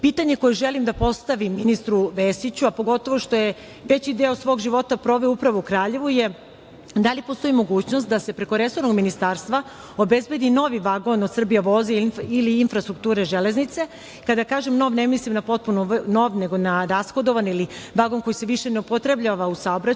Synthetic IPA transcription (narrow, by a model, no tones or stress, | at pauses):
piːt̪aɲe̞ko̞jeʒe̞limd̪apo̞st̪aʋimːinist̪ɾuʋesit͡ɕuapo̞ɡo̞t̪o̞ʋo̞ʃt̪o̞je | ʋe̞t͡ɕid̪e̞osʋo̞ɡʒiʋo̞t̪apɾo̞ʋeoupɾaʋoukɾaːʎe̞ʋuje̞ | d̪alipost̪o̞imo̞ɡuːt͡ɕno̞st̪̚d̪ase̞pɾe̞ko̞ɾe̞so̞ɾnoɡminist̪aːɾst̪ʋa | o̞be̞zbe̞d̪ino̞ʋiʋaɡo̞nod̪sr̩bijaʋo̞zeiliːnfɾast̪ɾuk̚t̪uːɾeʒe̞le̞znit̪se̞ | kad̪akaːʒemno̞ʋne̞mislimnapo̞t̪̚punono̞ʋne̞ɡo̞naɾasxo̞d̪o̞ʋaniliʋaɡo̞nko̞jise̞ʋiʃe̞neupo̞t̪ɾe̞bʎaʋausaobɾa